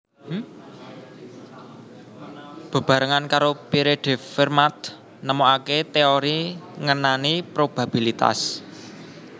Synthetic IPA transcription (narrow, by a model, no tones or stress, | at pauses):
b̥a̤b̥ä̤ɾəŋankaɾopiɾeɖ̪̥ɛ̤firmat̪̚ | nəmoaket̪eoɾiŋənanipɾob̥a̤b̥i̤lit̪a̰s